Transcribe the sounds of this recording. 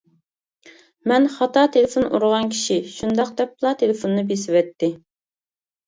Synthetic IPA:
mɛnχɑt̪ɑt̪ʰelɪfonṵɾʊʁɑnkʲʰi̥ʃiʃund̪ɑq̚d̪ɛp̚ːlˠɑt̪ʰelɪfonːɨbesɪwɛt̪ːɪ

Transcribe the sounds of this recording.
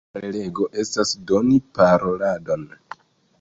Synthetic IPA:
le̞ɡo̞ʔe̞stasdo̞nipaɾo̞lado̞n

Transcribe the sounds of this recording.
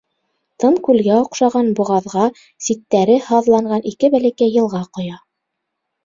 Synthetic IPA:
t̪ɤɴkʉlɡæŏqʃɑʁɑnbŏʁɑðʁɑ | sit̪ːæɾɘhɑðlˠɑɴɢɑnikɘbælækæjːɤ̆lˠʁɑqŏjɑ

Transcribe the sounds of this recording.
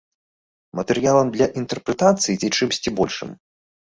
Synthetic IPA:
mɐt̪ɛɾɨjalˠɐmd̪lʲɐʔint̪ɛrpɾɛt̪at̪sɨjit͡sʲit͡ʂɨmsʲt͡sʲibɔlʲʂɨ̰m

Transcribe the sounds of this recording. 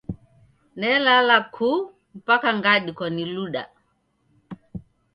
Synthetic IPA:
nɛlalakʰu | m̩pakaŋɡaɗikwaniluɗa̰

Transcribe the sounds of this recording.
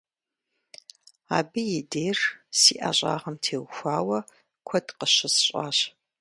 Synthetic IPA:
a̰ːbɨjɪdeːrsiːʔaːɕʼa̰ːʁɐmtʰeːwxʷaːwɐ | kʷʰɔdqəɕɪsɕʼa̰ːɕ

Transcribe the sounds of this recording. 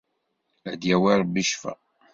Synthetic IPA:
ʕd̪jæwæɾˤbiʃfæ̰

